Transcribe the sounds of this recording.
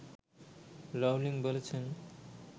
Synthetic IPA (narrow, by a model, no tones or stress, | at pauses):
lɔwliŋbolet͡ɕʰen